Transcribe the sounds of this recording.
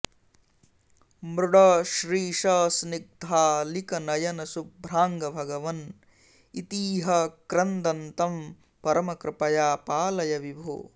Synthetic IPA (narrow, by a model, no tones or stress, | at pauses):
mɾuɽɐʃɾiːʃɐːsniɡ̚d̪ʱaːlikɐnɐjɐnɐsubʱɾaːŋɡɐbʱɐɡɐʋɐn | it̪iːɦɐkɾɐnd̪ɐnt̪ɐm | pɐɾɐmɐkɾɪpɐjaːpaːlɐjɐʋibʱo̰ː